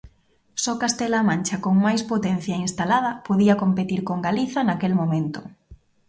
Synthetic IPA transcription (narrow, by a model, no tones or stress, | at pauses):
sɔkast̪elamãnt͡ʃakoŋmajspot̪en̟θjainst̪alaðɐpoðiɐkompet̪iɾkoŋɡaliθɐnakelmomẽnt̪ʊ